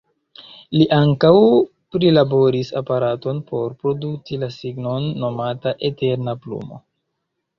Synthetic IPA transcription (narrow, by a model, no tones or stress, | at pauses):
liʔaŋkaw | pɾilabo̞ɾisa̰paɾato̞npo̞ɾpɾo̞dut͡silasiɡno̞nːo̞mataʔete̞ɾnaplṵmo̞̰